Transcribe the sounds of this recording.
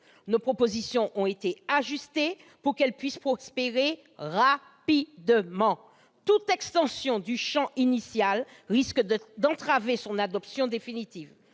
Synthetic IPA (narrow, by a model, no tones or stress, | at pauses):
nopχopozisjɔ̃ʔɔ̃et̪eaʒyst̪e | puʁkɛlpɥispχospeʁe | ʁa | pid̪mɑ̃ | t̪ut̪ɛkst̪ɑ̃sjɔ̃d̪yʃɑ̃inisjalʁiskd̪ɑ̃t̪χavesɔ̃nad̪ɔpsjɔ̃d̪efinit̪iv